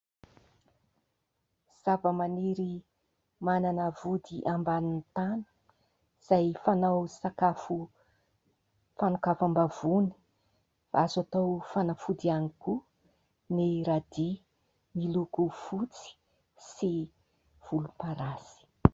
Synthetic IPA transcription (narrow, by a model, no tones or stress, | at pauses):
z̥avəmaniɾi | mananəvud̪iʔambanint̪anə̥ | z̥ajfanawsakafu | fanukafambav̥uni̥ | azat̪owfanafud̪ianiku | neɾad̪i | milukufut͡si̥ | si | v̥ulupaɾasi̥